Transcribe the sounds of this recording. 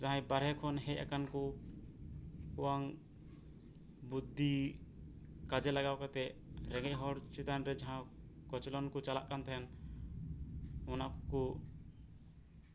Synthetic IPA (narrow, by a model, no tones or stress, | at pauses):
d͡ʒãɦãjbaɾɦɛkʰɔnɦɛc̚a̰kanku | kɔwaŋ | bud̪ʱːi | kad͡ʒɛlaɡawkat̪ɛɾɛ̃ŋɡɛc̚ɦɔɽt͡ʃit̪anɾɛd͡ʒaɦãkɔt͡ʃlɔnkɔt͡ʃala̰ʔkant̪ʰɛn | ɔnakɔku